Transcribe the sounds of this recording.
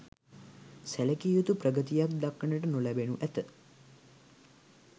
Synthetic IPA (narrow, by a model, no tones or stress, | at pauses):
sæləkijut̪uprəɡət̪ijak̚d̪akːəɳəʈənulæbenuʔæt̪ə